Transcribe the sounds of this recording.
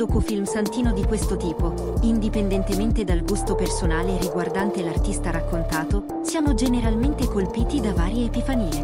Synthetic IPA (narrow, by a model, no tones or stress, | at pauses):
oːkufilmsant̪iːnod̪ikwest̪ot̪iːpo | ind̪ipend̪ɛnt̪ement̪ed̪alɡust̪opersonaːleɾiɡward̪ant̪elart̪ist̪aɾakːont̪aːt̪o | sjaːmod͡ʒeneɾalment̪ekolpiːt̪id̪avaːɾjeːpifaniːe